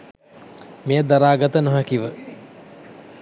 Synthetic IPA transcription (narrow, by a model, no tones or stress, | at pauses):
mejəd̪aɾaːɡət̪ənoɦəkiʋə